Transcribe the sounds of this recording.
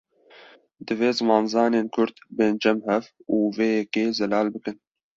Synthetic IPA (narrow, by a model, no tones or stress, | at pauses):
d̪ɨveːzɨmɑːnzɑːneːnkʰʊɾd̪beːnd͡ʒɛmhɛfuːveːjɛkeːzɛlɑːlbɨkɨn